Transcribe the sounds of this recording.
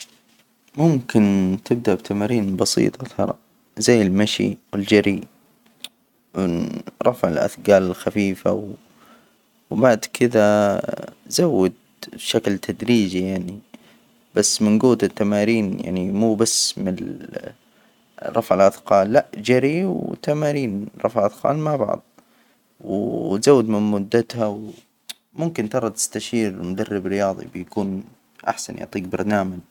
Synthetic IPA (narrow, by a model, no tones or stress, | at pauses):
mʊmkɪnt̪ʰɪb̚d̪aʔbt̪ʰamaːɾiːnbɑsḭːt̪ˤɑt̪ɑ̰ɾˤɑ̰ | zajːɪlmaʃḭwɪld͡ʒaɾi | wɪɾˤɑfʕɪlʔa̰θɡaːlɪlxafiːfa̰w | wbaʕd̪kʰɪða | zawːad̪ | ʃaklt̪ʰad̪ɾiːd͡ʒijaʕni | b̥asːmɪnɡuːt̪ɪt̪ːamaːɾiːnja̰ʕnimuːbasːmɪn | ɾˤɑfʕɪlʔɑθqɑːlːaʔd͡ʒaɾiwwt̪amaːɾiːnɾˤɑ̰fʕʔɑθqɑ̰ːlmaʕbɑ̰ʕðˤ | wt̪zawːɪd̪mɪnmʊd̪ːat̪haw | mʊmkɪnt̪ɑɾˤɑt̪ɪ̥st̪aʃiːɾmʊd̪arːɪbɾɪjɑːðˤḭbɪjakuːn | ʔa̰ħsa̰njʊ̰ʕt̪ˤiːk̚bɑɾˤnaːmad͡ʒ